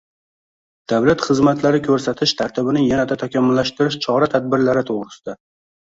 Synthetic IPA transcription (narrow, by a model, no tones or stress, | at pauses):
d̪̥awlat̪χɨzmat̪laɾɪkʲʰɵɾsat̪ʰɪʃt̪ʰaɾt̪ʰɪbɪnɪjanat̪at̪ʰakʲamːʊlːaʃt̪ɪɾɪʃt͡ʃʰɒɾat̪ʰad̪̚bɪɾlaɾɪt̪ʰoʁɾɪsɪd̪̥a